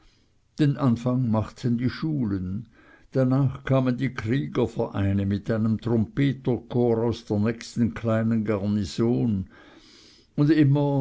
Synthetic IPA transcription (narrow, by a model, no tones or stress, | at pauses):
d̥enʔanfaŋmaχtʰəndiːʃuːlən | d̥anaːχkʰaːməndiːkʁ̥iːɡɐfɛʁʔaɪnəmɪtʔaɪnəmt̪ʁɔmpeːtəkʰoːɾaʊsd̥eːɐnɛçstn̩kʰlaɪnənɡaʁnizoːn | ʊndɪmɐ